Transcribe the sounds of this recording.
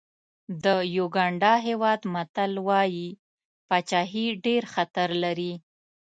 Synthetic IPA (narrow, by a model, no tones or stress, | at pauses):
d̪əjoɡɑɳɖɑɦewɑd̪mat̪alwɑji | pɑt͡ʃɑɦiɖeɾxat̪aɾlaɾi